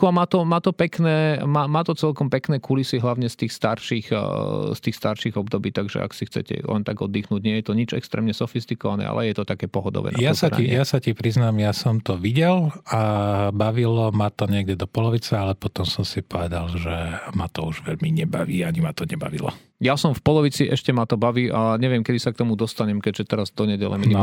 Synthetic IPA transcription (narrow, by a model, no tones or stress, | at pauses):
kuamaːt̪ɔmaːt̪ɔpɛknɛːmaːmaːt̪ɔt͡sɛlkɔmpɛknɛːkulisiɦlaʊɲɛst̪iːxst̪aɾʃixst̪iːxst̪aɾʃiɣɔbd̪ɔbiːt̪aɡʒɛ̰a̰ksixt͡sɛ̰cɛ̰lʔɛ̰nt̪aɡɔd̪ːiːxnuːɟɲɪɛjɛt̪ɔɲid͡ʒɛkst̪ɾɛ̰ːmɲɛsɔfist̪ikɔʋanɛ̰ːa̰lʔɛjɛt̪ɔt̪akɛːpɔɦɔd̪ɔ̰ʋɛ̰naajasaɾijjasacipɾiznamjasɔmt̪ɔʋiɟɛlabaʋilɔmat̪ɔɲɪɛɡɟɛd̪ɔpɔlɔʋit͡sɛalɛpɔt̪ɔmsɔmsipɔʋɛd̪alʒɛmat̪ɔuʒʋɛʎmiɲɛbaʋiːaɲimat̪ɔɲɛba̰ʋḭlɔ̰ | jasɔmfpɔlɔʋit͡siʔɛʃcɛmat̪ɔbaʋiːʔaɲɛʋɪɛmkɛd̪isak̚t̪ɔmud̪ɔst̪aɲɛmkɛɟʒɛt̪ɛɾazd̪ɔɲɛɟɛlɛ̰mi